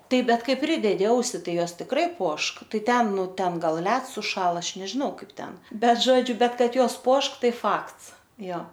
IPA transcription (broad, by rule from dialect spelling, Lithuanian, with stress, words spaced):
ˈtɐɪp ˈbʲɛt ˈkɐɪ ˈpʲrʲɪdʲɛdʲɪ ˈɐʊsʲɪ ˈtɐɪ ˈjoːs tʲɪkˈrɐɪ ˈpuɔʃk ˈtɐɪ ˈtʲɛn ˈnʊ ˈtʲɛn ˈɡɐlˠ ˈlʲɛts sʊˈʃɑːlˠɐ ˈɐʃ nʲɛʒʲɪˈnɐʊ ˈkɐɪp ˈtʲɛn ˈbʲɛt ˈʒoːd͡ʒʲʊ ˈbʲɛt ˈkɐt ˈjoːs ˈpuɔʃk ˈtɐɪ ˈfɐkts ˈjoː